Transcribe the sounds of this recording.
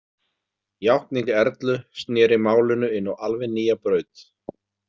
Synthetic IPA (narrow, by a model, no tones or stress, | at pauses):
jawht̪niŋkɛɾt̪lʏst̪njɛːɾɪmaːwlʏnʏɪnːɔalvɛniːjapɾœːɥt̪